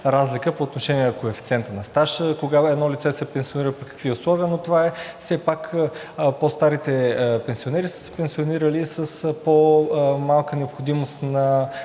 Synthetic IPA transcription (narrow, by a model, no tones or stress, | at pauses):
ɾazlikəpoːt̪noʃɛniɛkoɛfit̪sʲɛnt̪ənɐst̪aʃkoɡaɛd̪nɔlit̪sɛsɛpɛnsioniɾəpikə̥kviʊslˠɔviənot̪ovaɛfsɛpak | post̪aɾit̪ɛpɛnsionɛɾisə̥sɛ̥pɛnsioniɾəlisəspomalˠkənɛopxod̪imost̪nɐ